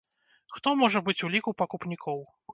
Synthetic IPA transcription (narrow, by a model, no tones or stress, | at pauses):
xt̪ɔmɔʐɐbɨt͡sʲulʲikupɐkupnʲikʰɔw